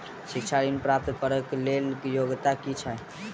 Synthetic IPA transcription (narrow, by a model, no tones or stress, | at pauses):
sikt͡ʃʰaɾinpɾap̚t̪pəɾəklelkjoɡt̪akit͡ʃʰə